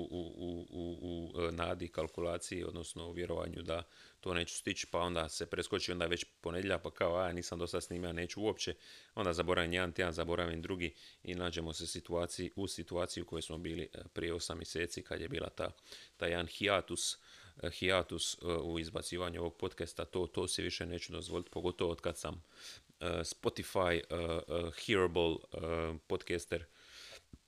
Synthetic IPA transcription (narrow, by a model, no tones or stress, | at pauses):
uuuunaːd̪ikalˠkulˠaːt̪sijio̞d̪no̞sno̞uʋje̞ɾo̞ʋa̰ɲṵd̪a | t̪o̞ːne̞ːt͡ʃu̥st̪it͡ʃpao̞nd̪ase̞pɾe̞sko̞t͡ʃio̞nd̪aʋe̞t͡ɕpo̞ned̪jeʎapakaoaaniːsamd̪o̞sad̪sniːmilane̞ːt͡ʃuuo̞pt͡ɕe̞o̞nd̪azabo̞ɾaʋimjed̪ant̪anzabo̞ɾaʋimd̪ɾuɡiḭnaːd͡ʑe̞mo̞se̞sit̪uaːt̪siiʔusit̪uaːt̪sijuko̞jo̞jsmo̞biːlḭpɾijeo̞samːje̞se̞ːt̪sikad̪je̞bḭːla̰t̪a̰t̪ajeanxiat̪usxiat̪usuizbat̪siːʋaɲuo̞ʋo̞ɡ̚po̞t̪kest̪at̪o̞ːt̪o̞ːsiʋiʃeneːt͡ɕud̪o̞zʋo̞lit̪po̞ɡo̞t̪o̞ʋoo̞d̪kad̪saməspo̞t̪ifaj | xiɾbol | po̞d̪kest̪eɾ